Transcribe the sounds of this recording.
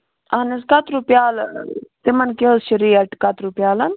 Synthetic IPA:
aniskɐt̪ɾupjaːlsimɐnkeəzʃiɾiːɐʈkɐt̪ɾupjaːlɐn

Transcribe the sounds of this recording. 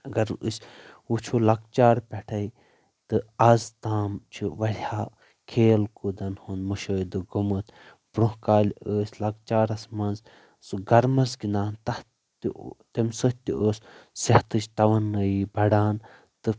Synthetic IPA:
ɐɡɐɾɨsʲut͡ʃʰolɐɡ̚t͡ʃaːɾpʲɛʈʰɐi | t̪ɨɐzt̪aːmt͡ʃʰiʋɐɽʲhaː | kʰeːlkud̪ɐnhund̪muʃəːjd̪ɨɡumɨt̪ | bɾũhkaːlʲəːsʲlɐɡ̚t͡ʃaːɾɐsmɐnz | sɡɐɾmɐsɡinaːnt̪ɐh | t̪t̪ɐmʲsɨht̪ʲiʔəːssɐht̪ɨt͡ʃt̪ɐʋɐnəjibɐɽaːn | t̪ɨ

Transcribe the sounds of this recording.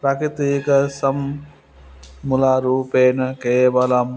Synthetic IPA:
pɾɐkit̪iːkɐsɐm | ulaɾuːpeːnɐkeːʋɐlɐm

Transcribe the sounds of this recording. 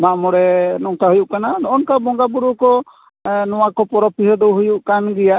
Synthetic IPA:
maʔmɔɽɛnɔŋtaɦujuʔkananɔʔɔnkabɔŋɡabuɾukɔ | nɔwakɔpɔɾɔpiɦɔd̪ɔwɦujuʔkanɡɛjaʔ

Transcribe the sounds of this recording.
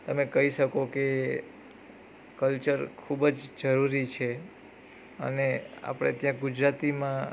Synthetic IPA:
t̪əmekəɦiʃəkoke | kəlt͡ʃəɾkʰubd͡ʒd͡ʒəɾuɾit͡ʃʰe | ə̰nea̰pɽ̃ḛt̪jãɡud͡ʒɾat̪imã

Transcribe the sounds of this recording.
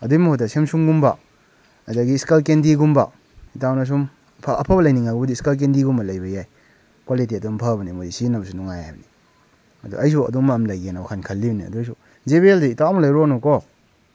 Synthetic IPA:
ɐdumɐhodasemsumɡumba | adaɡiːskalkendiɡumba | itawnas̬um | pʰːpʰɐbɐlɐjniŋaɡubɐdiːskalk̬endiɡumbɐlajbɐjaj | kwalitiɐdumpʰabɐnimodisinɐbɐsunuŋajajbɐni | ɐdṵʔɐjs̬uɐ̰duŋmaːmlajɡenaakʰankʰɐlːibɐniɐ̰dujsu | zeβeldiːtawmɐlɐjɾonɔkɔ

